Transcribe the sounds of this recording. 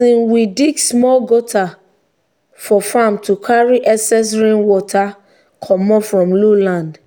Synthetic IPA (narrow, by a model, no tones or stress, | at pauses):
ĩnwidiɡsmɔlɡotʰa | fɔfãmtukʰaɹiʔɛsɛs̬ɹẽnwɔtʰa | kʰɔmɔfɹɔ̃mlolãnd